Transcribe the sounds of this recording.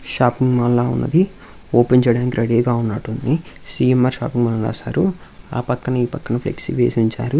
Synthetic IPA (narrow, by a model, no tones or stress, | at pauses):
ʃaːpiŋɡmɐlːaːṵnːɐ̰d̪i | oːpeɲt͡ʃɐɽaːnikiɾɐɽeːɡaːunːaːʈund̪isiːemːaːɾʃa̰ːpiŋɡmɐlːɐɾa̰ːsaːɾua̰ːpɐkːɐnɐiːpɐkːɐnɐpʰlḛksiʋeːsiɲt͡ʃa̰ːɾu